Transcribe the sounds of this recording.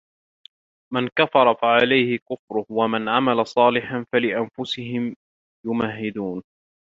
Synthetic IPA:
mankafɑɾˤɑfaʕalajhɪkʊfɾʊhwamanʕamalasˤɑːlɪħanfalɪʔanfʊsɪɦɪm | jʊmaɦːɪd̪uːn

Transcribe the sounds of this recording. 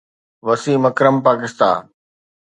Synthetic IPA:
ʋɐsiːmɐkɾəmpaːkɪst̪a̰ːn

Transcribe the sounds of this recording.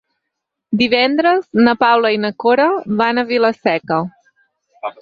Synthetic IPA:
d̪iβɛnd̪ɾəznəpawləinəkoɾəβanəβiləsɛkə

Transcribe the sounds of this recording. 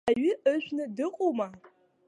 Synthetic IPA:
aɥɪʔəʒʷᶣnɨdɨqʼowma

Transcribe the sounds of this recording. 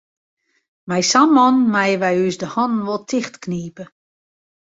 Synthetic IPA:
mɛjsamɔnmajəʋɛjysdəhɔnn̩ʋɔlˠtʰɪxtkniːpə

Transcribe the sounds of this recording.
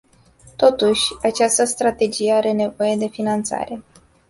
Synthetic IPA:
t̪o̞t̪uʃʲat͡ʃast̪əst̪ɾat̪e̞d͡ʒije̞aɾe̞ne̞vo̞je̞d̪e̞finant̪sa̰ɾe̞

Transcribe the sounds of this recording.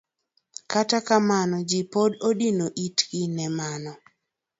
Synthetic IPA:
katakamanɔd͡ʒipododinoʔitɡɪnɛmanɔ

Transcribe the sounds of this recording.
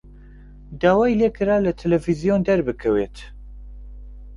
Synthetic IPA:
d̪aːwaːjleːkʰɨɾaːlɐt̪ʰɛlɛvizijond̪ɐɾbɨkʰɛwet̪

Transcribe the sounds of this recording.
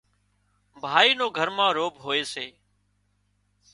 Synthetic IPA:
bʱaːiːnoːɡʱəɾmãːɾoːbɦoːeːseː

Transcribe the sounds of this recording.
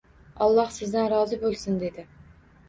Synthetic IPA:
ɒlˠːɑhsɪzd̪anɾɒːzɪbolˠsɪnd̪e̞d̪ɪ

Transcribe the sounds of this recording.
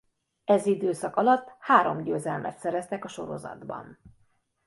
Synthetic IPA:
ɛzid̪øːsɒkɒlɒt̪ːhaːɾo̞̰mɟøːzɛlmʔɛ̰t̪sɛɾɛst̪ɛkɒʃo̞ɾo̞̰zɒ̰d̪bɒ̰n

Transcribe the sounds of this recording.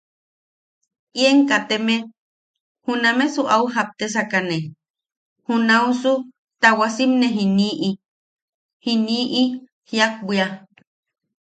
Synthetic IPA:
ʔieŋkat̪eme | hunamesuʔauɦap̚t̪es̬akane | hunausu | t̪awasimneɦiniʔi | hiniːʔi | hjak̚bia

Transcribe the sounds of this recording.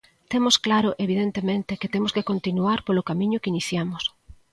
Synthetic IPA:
t̪emʊsklaɾʊʔeβið̞ent̪emẽnt̪eket̪emʊskekont̪inuaɾpolokamĩɲʊkiniθjamʊs

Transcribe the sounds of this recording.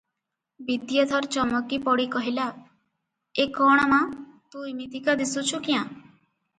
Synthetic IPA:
bid̪jɔt̪ʰɔɾt͡ʃɔmɔkipɔɽikɔɦila | ekɔɽ̃ɔmãt̪ũimit̪ikad̪isut͡ʃʰukijã

